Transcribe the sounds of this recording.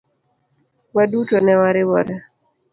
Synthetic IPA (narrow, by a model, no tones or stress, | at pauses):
wadutɔnɛwaɾɪwɔɾɛ